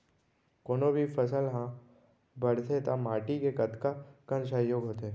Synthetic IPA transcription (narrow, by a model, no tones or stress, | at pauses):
koːnobʱifəsəlɦã | bɐɽt̪ʰet̪amaːʈikekɐd̪kakənsajoːɡɦoːt̪eɛ